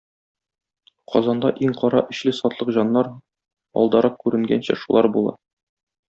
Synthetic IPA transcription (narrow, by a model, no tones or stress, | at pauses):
qʰɒzɑnd̪ɑʔiŋqɒɾɑʔɘ̆ɕlɘsɒt̪lˠɤqʑɒnːɑɾ | ɒ̰lˠd̪ɑɾɑq̚kʉɾɘ̆ŋɡænɕæ̰ʃulˠɑɾbulˠɑ̰